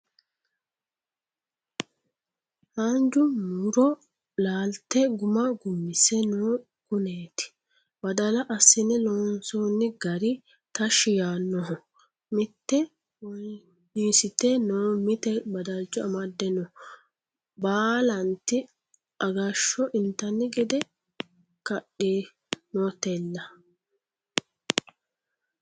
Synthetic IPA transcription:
haːnd͡ʒʊmuɾɔ | laːlt̪ːɛɡʊmɐɡʊmːɪsɛnoː | kʊneːt̪ɪ̥ | bɐd̪ɐlɐʔɐsːɪnːɛnoːnsoːnːɪɡɐɾɪ | t̪ɐʃɪjaːnːɔɦɔ | mɪt̪ːɛ | w | niːsɪt̪ɛnoːmɪt̪ɛbɐd̪ad͡ʒːɔɐmɐd̪ːɛnɔ | baːlɐnt̪ɪ | ʔɐɡɐʃːɔʔɪnt̪ːɐnːɪɡɪd̪ɛ | kɐɗeː | noːt̪elːɐ

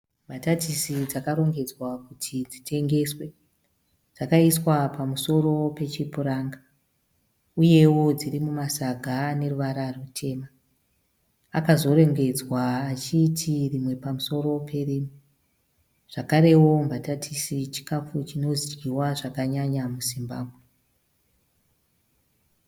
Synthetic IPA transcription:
mbʱatatʰisid͡zakaɾo̞ŋɡe̞d͡zwakutʰid͡zitʰe̞ŋɡe̞swe̞ | d͡zakaiswapamuso̞ɾo̞pe̞t͡ʃipuɾaːŋɡa | uje̞wo̞d͡ziɾimumasaɡʱane̞ruʋaɾarutʰe̞ːma | akazo̞ɾe̞ŋɡe̞d͡zwaːt͡ʃitʰirimwe̞pamuso̞ɾo̞pʰe̞riːmu | ʐ̥akaɾe̞wo̞mbatatʰisit͡ʃi̥kafut͡ʃinozid͡ʒɡiwaʐakaɲaɲamuzimbaːbʱwe

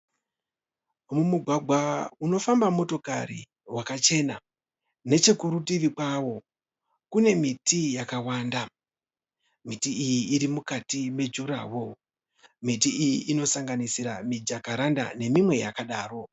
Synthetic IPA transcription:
mumuɡʱwaɡʱwauno̞fambamo̞to̞karḭ | wakat͡ʃe̞na | ne̞t͡ʃe̞kuɾutiʋikwawo̞ | kune̞mitijakawaːnda | mitiːjiːɾimukatime̞d͡ʒuɾa̰ːwo̞ | mitiijiʔino̞saŋɡanisiɾa̰mid͡ʒakaɾanda̰ne̞mimwe̞ja̰kaɗaːɾo̞

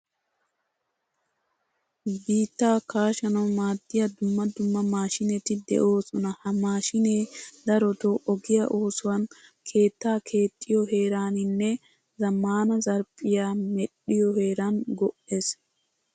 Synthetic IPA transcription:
biːt̪ːaːkaːʃɐnɐwmaːd̪ːɪjɐd̪ʊmːɐd̪ʊmːɐmaːʃɪnɛt̪ɪd̪ɛ̰ʔo̞ːsɔnɐhɐmaːʃɪneːd̪ɐɾɔt̪oʔɔɡɪjɐ̰ʔoːsʊwɐnkʰe̞ːt̪ːaːkʰe̞ːt̪ʼːɪjɔɦe̞ːɾaːnɪnːɛ | zɐmːaːnɐzɐɾpʼːɪjaːmɛɗɪjɔhe̞ːɾɐnɡɔʔeːs

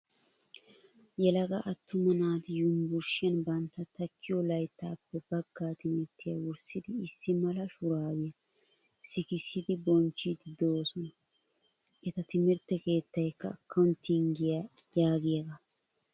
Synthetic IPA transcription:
jɛlɐɡɐʔɐt̪ːʊmɐnaːd̪ɪjʊmbʊɾʃɪjɐnbɐnt̪ːɐt̪ɐkːɪjɔlɐjt̪ːɐːpːɛbɐɡːaːt̪ɪmɪɾt̪ːɪjɐwʊɾsɪd̪ɪːsːɪmɐlɐʃʊɾaːwɪjɐ | sɪkɪsːɪd̪ɪbɔnt͡ʃːid̪ɪd̪oːsɔnɐ | ʔɛt̪ɐt̪ɪmɪɾt̪ːɛke̞ːt̪ːɐjkːɐːkːɐʊnt̪ːɪŋɡɪjɐjaːɡɪjɐɡɐ

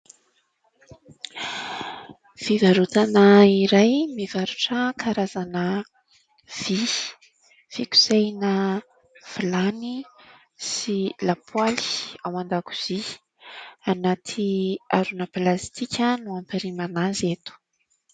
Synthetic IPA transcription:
v̥ivaɾut̪anaiɾajmivaɾuʈ͡ʂəkʰaɾazanə | v̥i | v̥iku̥sejnə | v̥ilani | silapʰwaliawand̪aku̥z̥i | anat̪ʰiaɾunəplast̪ikʲənuampiɾimanazet̪u̥

